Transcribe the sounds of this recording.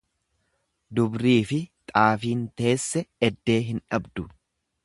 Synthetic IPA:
d̪ʊbɾiːfɪt̪ʼaːfiːnt̪e̞ːsːɛɛd̪ːe̞ːɦɪnᶑɐbd̪ʊ

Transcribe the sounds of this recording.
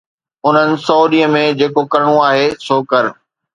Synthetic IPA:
ʊn̤ənɪ̆sɐuːɗiəmẽd͡ʑeːkokɐɾɽ̃ũaːɦesoːkɐɾ

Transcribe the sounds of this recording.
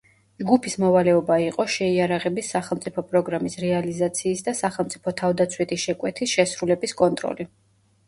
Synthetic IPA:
d͡ʒɡupʰismɔvalɛɔbaiqʼɔʃɛiaɾaʁɛbisːaχɛlˠt̪sʼipʰɔpʼɾɔɡɾamisɾɛalizat̪sʰiːsd̪asaχɛlˠmt̪sʼipʰɔt̪ʰavd̪at̪sʰwit̪ʰiʃɛkʼwɛt̪ʰisʃɛsɾulɛbiskʼɔnt̪ʼɾɔ̰li

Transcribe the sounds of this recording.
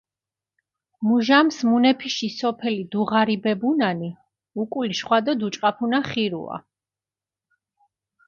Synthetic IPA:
muʒamsmunɛpʰiʃisɔpʰɛlid̪uʁaɾibɛbunani | ukʼuliʃχwad̪ɔd̪ut͡ʃʼqʼapʰunaχiɾṵa̰

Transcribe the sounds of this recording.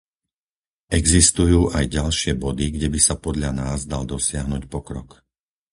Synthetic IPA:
ɛɡzist̪ujuːʔajɟalʃɪɛbɔd̪iɡɟɛbisapɔd̪ʎanaːzd̪ald̪ɔsɪaɦnuːcpɔkɾɔ̰k

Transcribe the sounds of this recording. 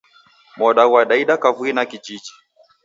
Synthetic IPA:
mɔɗawaɗaiɗakavuinakid͡ʒid͡ʒi

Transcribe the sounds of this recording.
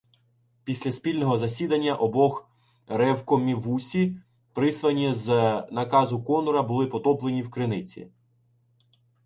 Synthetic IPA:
pʲisʲlʲɐsʲpʲilʲnɔɦɔzɐsʲid̪ɐnʲːɐʔɔbɔx | ɾɛwkɔmʲiʋusʲi | pɾɪslˠɐnʲiznɐkɑzʊkɔnɔɾɐbʊlˠɪpɔt̪ɔplˠenʲiwkɾɪnɪt͡sʲḭ

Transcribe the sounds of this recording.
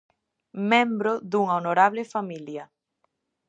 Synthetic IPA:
mẽmbɾʊðuŋaonoɾaβlefamiljɐ

